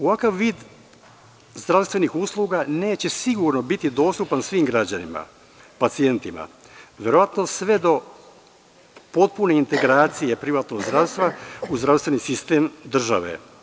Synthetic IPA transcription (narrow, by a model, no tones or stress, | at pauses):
oʋakaʋːiːd̪ | zd̪ɾaʋst̪vʋe̞nixuslˠuːɡane̞ːt͡ɕe̞siɡuɾnobit̪id̪o̞ːst̪upansʋiːmɡɾad͡ʑanḭma̰ | pat̪sie̞nt̪ima̰ | ʋjeɾo̞ʋat̪no̞sʋe̞d̪o̞ | po̞t̪̚pune̞int̪e̞ɡɾaːt̪sije̞pɾiʋaːt̪noɡzd̪ɾaʋst̪ʋauzd̪ɾafst̪ʋe̞nisist̪eːmd̪r̩ʒa̰ʋḛ